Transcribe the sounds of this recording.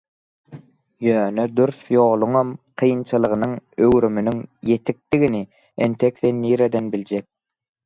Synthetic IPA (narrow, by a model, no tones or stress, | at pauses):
jøːnød̪yɾθjo̞ːlˠuŋɑmqʰɯjɯnt͡ʃʰɯlˠɯʁɯnɯŋøwɾymynyŋje̞t̪ʰik̚d̪iɣini | ent̪ʰekθenːiːɾed̪enbilʲd͡ʒek̚